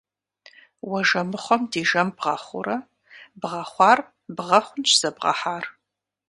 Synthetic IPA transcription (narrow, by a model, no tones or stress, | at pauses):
wɐʒɐmɨχʷɔmdiːʒɐmbʁɐχʷʊ̰ɾɐ | bʁɐχʷɑːr | bʁɐχʷʊnt͡ʃʰz̥ɐbʁɐ̰ħaːr